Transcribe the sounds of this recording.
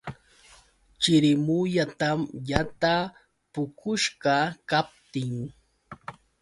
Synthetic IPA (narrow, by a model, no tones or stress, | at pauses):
t͡ʃɪɾɪmʊʎat̪amjat̪a | pʊkʊʃɢɑkap̚t̪ɪŋ